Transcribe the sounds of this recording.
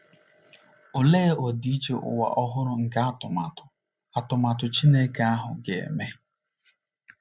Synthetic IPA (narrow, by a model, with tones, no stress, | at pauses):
ʊ˨leː˦o˨di˨˦i˦t͡ʃe˦ʔʊ̰˨wa̰˨ʔɔ˦ɦʊ˦ɾʊ˦ŋ̩˨ka˦a˦tʊ˨ma˨tʊ̥˨ | a˨tʊ˨ma˨tʊ˨t͡ʃi˦ne˦ka˨a˦ɦʊ˨ɡe˨ḛ˨me˦